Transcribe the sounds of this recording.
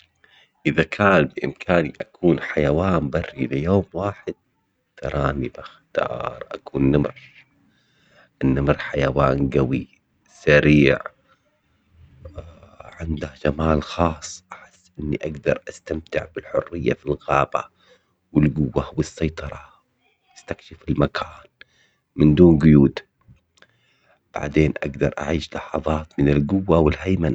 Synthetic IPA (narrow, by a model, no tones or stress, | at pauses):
ʔɪðakʰaːnbɪʔɪ̰mkʰaːniʔakuːnħajawaːnbɑrːilɪjoːmwaːħɪd̪̚ | t̪ɑɾˤɑːnibaxt̪ɑ̰ːɾˤʔa̰kuːnːɪmɾ | ʔɪnːamɾħajawaːnɡawi | saɾiːʕ | ʕɪnd̪ahd͡ʒamaːlxɑːsˤːʔaħɪsːʔɪnːiʔaɡd̪ɑ̰ɾˤʔast̪amt̪ɪʕbɪlħʊrːɪjːafilɣaːba̰ | wɪlɡʊwːahwɨsːɑjt̪ˤɑɾˤɑ | jɪst̪akʃɪfɪlmakʰaːn | mɪnd̪uːnɡʊjuːd̪ | b̥a̰ʕd̪eːnʔa̰ɡd̪ɑɾˤʔa̰ʕiːʃlɑħɑðˤɑːt̪mɪnɪlɡʊwːawɪlhajman